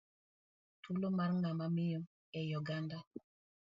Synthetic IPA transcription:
tulomaɾŋamamijɔ | ɛjoɡanda

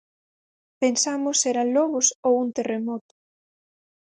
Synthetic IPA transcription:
pensamʊsːeɾanlɔɣʊsowunt̪eremɔt̪ʊ̥

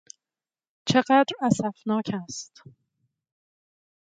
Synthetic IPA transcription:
t͡ʃʰe̞ɢæd̪ɾæsæfnɒːcʰæst̪

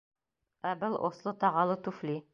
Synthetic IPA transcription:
æbɘlˠʔo̰slˠɤt̪ɑʁɑlˠɤt̪ʉfli

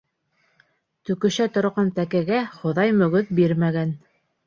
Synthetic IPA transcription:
t̪ɵ̆kɵ̆ʃæt̪ŏɾʁɑnt̪ækæɡæχŏðɑjmɵ̆ɡɵðbiɾmæɡæn

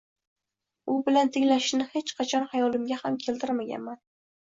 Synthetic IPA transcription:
ʊbɪlant̪ʰɪŋlaʃɪnɪhe̞t͡ʃqʰɑt͡ʃʰɒnhajɒlɪmɡʲahamkʲʰe̞lt̪ʰɪɾmaɡʲa̰nman

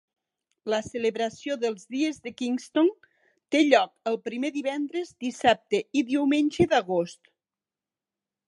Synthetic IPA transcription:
ləseleβɾəsjoðəlˠzðiezðəkiŋst̪on | t̪eʎɔk̚əlˠpɾimeðiβɛnd̪ɾezd̪isap̚t̪eiðiwmenʲʒeðəɣost̪

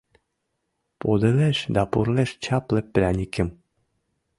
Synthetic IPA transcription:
pod̪eleʃd̪apuɾleʃt͡ɕaplepɾʲanʲikem

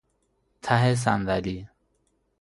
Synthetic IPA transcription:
t̪ʰaɦes̬and̪ali

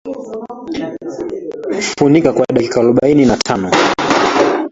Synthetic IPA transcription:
funikakwaɗakikaːluɓaininatʰanɔ

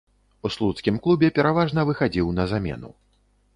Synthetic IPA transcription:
uslˠut̪skʲimklˠubʲɛpʲɛɾavaʐnɐvɨxad͡zʲiwnɐzamʲɛ̰nṵ

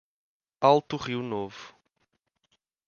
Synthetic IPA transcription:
alˠt̪uʁiwnovu

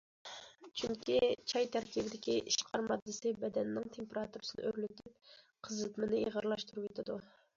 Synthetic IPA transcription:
t͡ʃʰyŋkʲit͡ʃʰɑjt̪ʰæɾkʲibɪd̪ɪkʲiʔiʃqʰɑɾmɑd̪ːɨsɪbɛd̪ɛnːɪŋt̪ʰempeɾɑt̪uɾɨsɨnɨ̰ʔøɾlyt̪ʰɪp̚ | qʰəzɨt̪mɨnɪiʁəɾlˠɑʃt̪uɾupet̪ʰɪd̪u

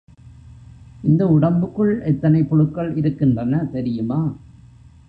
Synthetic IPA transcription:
ɪnd̪ɐʊɽɐmbɯkːɯɭɛt̪ːɐnɐɪpɔɻɯkːɐɭɪɾɯkːɪndrɐnɐt̪ɛɾɪjɯmaː

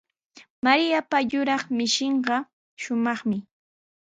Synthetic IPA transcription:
maɾɪjapaʎʊɾɑχmɪʃɪɴɢɑ | ʃʊmɑχmɪ

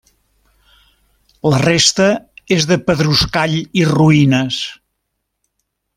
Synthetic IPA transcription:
lərest̪əezðəpəðɾuskaʎiruinəs

